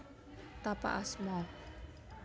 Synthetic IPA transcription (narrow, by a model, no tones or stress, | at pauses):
t̪apa̰ʔasmɔ